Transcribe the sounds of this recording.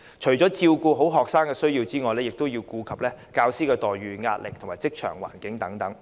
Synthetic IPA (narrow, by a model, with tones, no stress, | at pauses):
t͡ʃʰɵ˨˩ɥt͡sɔː˨˥t͡siː˧wkuː˧ɦo˨˥wɦɔː˨k̚saː˥ŋkɛː˧sɵ˥ɥjiː˧wt͡siː˥ŋɔː˨˧jlɛː˥jɪ˨k̚t̪o˥wjiː˧wkuː˨˧kʰɐ˨p̚lɛː˥kaː˧wsiː˥kɛː˧t̪ɔː˨jɥyː˨ŋa̰ː˧t̚lɪ˨k̪̚ʰo˨˩ŋmaː˨jt͡sɪ˥k̚t͡ʃʰœ̰ː˨˩ŋwa̰ː˨˩nkɪ˨˥ŋt̪ɐ˨˥ŋt̪ɐ˨˥ŋ